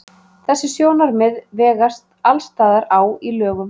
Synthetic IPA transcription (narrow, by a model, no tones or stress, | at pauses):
θɛsːɪsjoːwnaɾmɪðvɛːɣast̪alst̪aːðaɾaːwilœːɣʏ